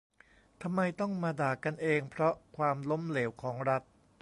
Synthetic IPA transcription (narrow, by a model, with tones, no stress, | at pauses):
t̪ʰa˧mːa˧jt̪ɔ˥˩ŋmaː˧daː˨˩kːa˧nʔeː˧ŋpʰɾɔ˦˥kʰwaː˧mlo˦˥mleː˩˦wkʰɔː˩˦ŋɾa˦˥t̪̚